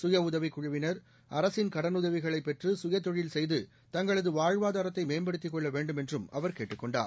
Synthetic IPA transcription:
sʊjɐʊðɐʋikːʊɻɐʋɪnɐɾ | ɐɾɐsɪnkɐɽɐnʊðɐʋɪɣɐɭɐɪpːɛʈrɯsʊjɐt̪ːɔɻɪlsɛjðɯ | t̪ɐŋɡɐɭɐðɯʋaːɻʋaːðaːɾɐt̪ːɐɪmeːmbɐɽɯt̪ːɪkːɔɭːɐʋeːɳɖɯmɛndrɯmɐʋɐɾkeːʈːɯkːɔɳɖa̰ːɾ

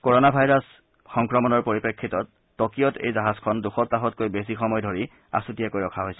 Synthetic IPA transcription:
koɹonabʱajɹɔs | xɔŋkɹɔmɔnɔɹpoɹipekʰːitɔtː | ɔkijɔtʰḛjzaɦazkʰɔnduxɔtːaɦɔt̚kojbes̬ixɔmɔjdʱoɹi | a̰sutijakojɹɔkʰaɦojsɛ̥

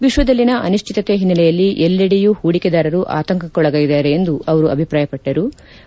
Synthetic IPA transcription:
ʋiʃʋɐd̪ɐlːinɐʔɐ̰nuʃt͡ʃʰit̪ɐt̪eɦinːɐlɛjɐlːiʔɛlːɐɽijuhuːɽikɛd̪aːɾɐɾuʔa̰ːt̪ɐŋkɐkːɔɭɐɡɐjid̪aːɾeend̪uɐʋɐɾuɐ̰bʱipɾaːjɐpɐʈːɐɾu

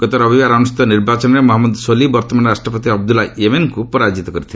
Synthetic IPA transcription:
ɡ̥ɔt̪ɔɾɔbibaɾɔnusi̥t̪ɔniɾbat͡ʃɔnɾemɔɦɔmːɔd̪solibɔɾt̪ɔmanɔɾasʈʰɔpɔt̪iɔb̚d̪ulaemenkupɔɾad͡ʒit̪ɔkɔɾit̪ʰile

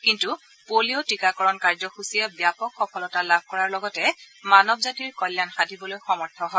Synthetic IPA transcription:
kintu | polijotikakɔɹɔnkaɹzɔxusiabjapɔkxɔkɔlɔtalab̚ʱkɔɹaɹlɔɡɔtɛ | manɔbzatiɹkɔjlːanxadʱibɔlojxɔmɔɹtʰɔɦɔ

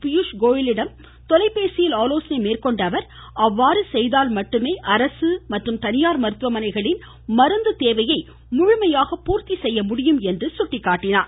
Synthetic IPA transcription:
pɪjuʂɡoːjɪlɪɽɐm | t̪ɔlɐɪpːeːsɪjɪlaːloːsɐnɐɪmeːrkɔɳɖɐʋɐɾ | ɐʋːaːɾɯsɛjðaːlmɐʈːɯmeːʔɐɾɐsɯmɐʈrɯmt̪ɐnɪjaːɾmɐɾɯt̪ʋɐmɐnɐɪɣɐɭɪn | mɐɾɯnd̪ɯt̪eːʋɐjɐɪ | mʊɻʊmɐjaːɣɐpuːɾt̪isɛjːɐmʊɽɪjɯmɛndrɯsʊʈːɪkːaːʈːɪnaːɾ

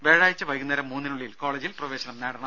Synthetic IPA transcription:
ʋeːɻaːjit͡ɕːɨʋɐjɣunːɐɾɐmːuːnːinuɭːijilko̞ːɭeːd͡ʑilprɐʋeːɕɐnɐmneːɽɐɳɐm

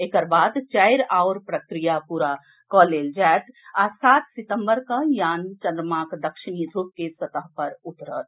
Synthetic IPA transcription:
ekəɾbaːd̪t͡ʃaɪɾaʊɾpɾəkɾijapuːɾa | kɔːleːld͡ʒaːt̪asaːt̪sɪt̪ə̃mbəɾkajaːnt͡ʃə̃nd̪ɾmaːkd̪əkʃɪnid̪ʱup̚kesət̪əɦpəɾʊt̪ɾə̰t̪

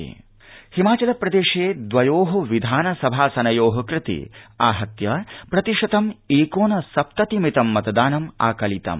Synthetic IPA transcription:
himaːt͡ʃɐlɐpɾɐd̪eːʂeːd̪ʋɐjoːɦɐʋid̪ʱaːnɐsɐbʱaːsɐnɐjoːɦɐkɾɪt̪ḭaːɦɐt̪jɐpɾɐt̪iʂɐt̪ɐmeːkoːnɐsɐp̚t̪ɐt̪imit̪ɐmːɐt̪ɐd̪aːnɐma̰ːkɐlit̪ɐ̰m

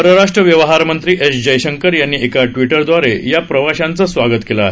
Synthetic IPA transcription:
əɾəɾaʂʈɾəʋjəʋɦaɾmənt̪ɾiːʔesd͡ʑəjɕəŋkəɾjanːiːʔekaʈʋiʈəɾd̪ʋaɾejapɾəʋaɕant͡səsʋaɡət̪kela

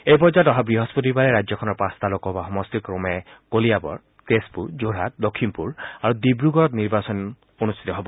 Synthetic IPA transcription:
ejp̬ɔzatɔɦabɹiɦɔspot̬ibaɹɛɹajd͡ʒzɔkʰɔnɔɹpãst̪alɔkɔbaxɔmɔstikɹɔmɛkoliabɔ̰ɹ | tespuɹzoɹat̚dokʰːinpuɹaɹudibɹuɡɔɹɔtniɹbasɔn | onust̪ʰi̥tɔɦɔbɔ

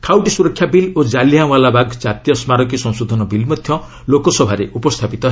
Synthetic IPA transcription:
kʰawʈisuɾɔkʰːjabilod͡ʒalijãwalabaɡʱd͡ʒat̪ijɔsmaɾɔkisɔ̃ŋ̃sod̪ʱɔnɔbilmɔd̪ʱjɔ | lokɔsɔbʱaɾeupɔst̪ʰapit̪ɔ

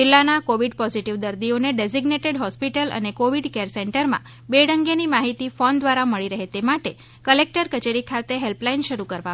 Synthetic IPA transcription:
d͡ʒilːanakoʋiɖpɔziʈiʋd̪əɾd̪ioneɖeziɡneʈeɖɦɔspiʈələ̰nekoʋiɖkeɾseɳʈəɾmã̰ | beɽəŋɡenimaɦit̪ifɔnd̪ʋaɾaməɭiɾəɦet̪emaʈe | kəlek̚ʈəɾkət͡ʃeɾikʰat̪eɦelplainʃəɾukəɾʋa

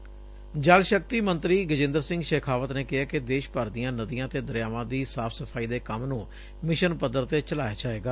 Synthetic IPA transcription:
d͡ʒəlʃək̚t̪iːmənt̪ɾiːɡəd͡ʒɪ̃nd̪əɾsɪ̃ŋɡʃeːkʰaːʋət̪neːkɪaːkɪd̪eːʃpəːɾd̪ijãːnəd̪ijãːt̪eːd̪əɾjaːʋãːd̪iːsaːfʰsəpʰaːiːd̪eːkəmnũː | mɪʃənpəd̪əɾt̪eːt͡ʃəlaːjaːd͡ʒaːeːɡaː

